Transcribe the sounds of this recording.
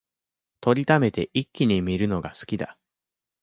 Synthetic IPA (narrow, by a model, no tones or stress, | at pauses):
t̪o̞ɾʲit̪ame̞t̪e̞ʔikʲːiɲ̟imʲiɾɯ̟no̞ɡasɨ̥kʲid̪a̰